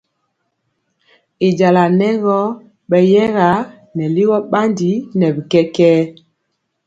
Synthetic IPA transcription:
i˨d͡ʒa˨la˨nɛ˦ɣɔ˦ | ɓɛ˨jɛ˦ɣa˨˦ | nɛ˨li˦ɣɔ˦ɓa˦ndi˨˦nɛ˨bi˨kɛ˦kɛː˦

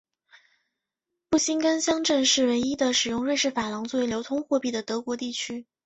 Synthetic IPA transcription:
pu˥˩ɕi˥nkə˥nɕjɑ˥ŋʈ͡ʂə˥˧nʂɻ̩˥˩we˧˥ɪi˥d̪ə˨ʂɻ̩˨˩jʊ˥˧ŋɻə˥˧nʂɻ̩˥˩fa˨˩lɑ˧˥ŋt͡swe˥˩ɪljo˧˥ʊt̪ʰʊ˥ŋxwɔ˥˧pi˥˩d̪ə˩t̪ɤ˧˥kwɔ˧˥t̪i˥˩t͡ɕʰy˥

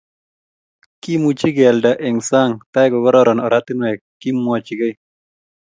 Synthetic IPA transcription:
ki˦mu˨t͡ʃi˦ɡɛ˨lda˨ʔɛ˨ŋsa˦ŋt̪a˦ɛ˦ɡɔ˨ɡɔ˦ɾɔ˦ɾɔ˨nɔɾa˦t̪i˦nwɛ˨kː | i˦mwa˨t͡ʃi˨ɡe˦j

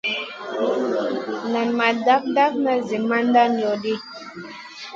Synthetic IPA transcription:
nɛ˨nma˨da˦p̚da˦pnə˨zi˨ma˦n˦da˦njɔ˨di˦

